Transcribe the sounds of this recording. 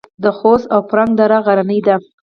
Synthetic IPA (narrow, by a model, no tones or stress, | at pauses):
d̪əxosawpɾaŋɡ̚d̪aɾaɣaɾanəjd̪a